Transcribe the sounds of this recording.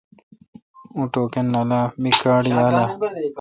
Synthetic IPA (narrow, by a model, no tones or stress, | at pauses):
ũʈoːkenːɐlaːmikaːɽiaːla